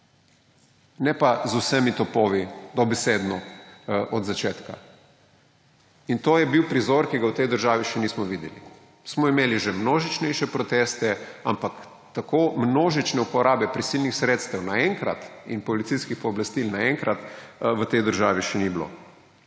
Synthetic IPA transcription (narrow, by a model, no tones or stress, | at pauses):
nɛpazusɛmit̪ɔpoːʋid̪ɔbɛseːd̪nɔʔɔd̪zat͡ʃeːt̪ka̰ | int̪oːjɛbiwpɾizoɾkiɡawt̪ɛjd̪əɾʒaːʋiʃɛniːsmɔʋiːd̪jɛli | smɔimeːliʒɛmnoːʒit͡ʃnɛjʃɛpɾɔt̪est̪ɛampak | t̪akoːmnoːʒit͡ʃnɛupɔɾʔaːbɛpɾisilnixsɾet̪st̪ɛwnaɛŋkɾa̰t̪inpɔlit̪siskixpɔːblast̪ilnaɛŋkɾat̪ʋət̪ɛjd̪əɾʒaːʋiʃɛniblo̰